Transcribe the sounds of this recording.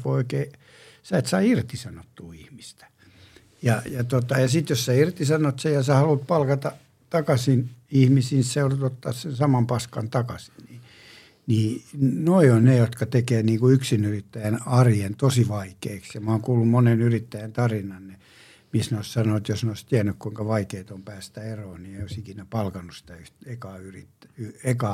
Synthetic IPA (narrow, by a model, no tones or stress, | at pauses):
ooikeː | sæit̪sɑiirt̪isɑnot̪ːuːihmist̪æ̥ | jɑjɑt̪ot̪ɑjɑsit̪jossæirt̪isɑnot̪sejɑsæhɑlut̪̚pɑlkɑt̪ɑ | t̪ɑkɑsinihmisiːnisseorut̪ot̪ːɑ̰ːssensɑmɑmpɑskɑnt̪ɑkɑsi̥nniː | niːnoionnejot̪kɑt̪ekeːniːŋkuyksinyrit̪ːæjænɑrjent̪osiʋɑikeːksjɑmɑːŋkuːlːummonenyrit̪ːæjænt̪ɑrinɑnne | misneoissɑnoːt̪josneoˑist̪iænːykkuiŋkɑʋɑikeːt̪ompæːst̪æeroːnieioisikinæpɑlkɑnːussi̥t̪æyht̪ekɑːyrit̪ːyekɑː